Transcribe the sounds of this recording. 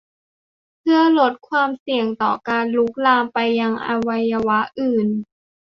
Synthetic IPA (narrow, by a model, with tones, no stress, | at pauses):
pʰɯ˧˩ɐlo˦˥t̪̚kʰwaː˧msi˨˩əŋt̪ɔ̰ː˨˩kaː˧nlu˦˥k̚laː˧mpa˧jːa˧ŋʔa̰ː˧wa˧jːa˧wa˦˥ʔɯː˨˩n